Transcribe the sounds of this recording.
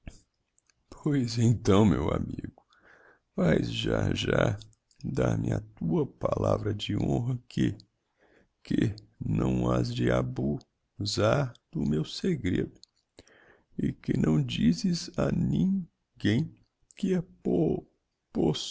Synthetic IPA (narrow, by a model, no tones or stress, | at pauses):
pʰojzẽt̪ɐ̃w̃mewamiɡʊ | vajzʒaʒa | d̪aɾmɪat̪uɐpalavɾɐd͡ʒɪõɦɐkʰɪ | kɪnɐ̃w̃azd͡ʒɪabu | zaɾd̪̥ʊmewseɡɾed̪ʊ | ɪkɪnʔɐ̃w̃d͡ʒizɪzanĩ | ɡẽj̃ | kɪɛ | pos